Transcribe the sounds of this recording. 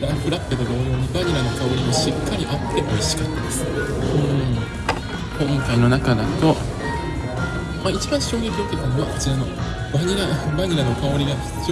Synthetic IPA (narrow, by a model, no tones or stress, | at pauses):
ɾãŋkɯ̟ɾakːet̪oɡ̪onoɲ̟ːibaɲ̟iɾano̞kao̞ɾʲimoɕikːaɾʲiʔat̪ʰːe̞ʔoiɕi̥kat̪ːad̪esɨ̥ɯ̃ | hõŋkaino̞nakad̪at̪o̞ | mait͡ɕibãɰ̃ɕo̞ːjʲiːbʲo̞ːk̪ekɯɲiβaɸɯ̟̥t͡sɨano̞ | baɲ̟iɾabaɲ̟iɾano̞kao̞ɾʲiɡḁ | s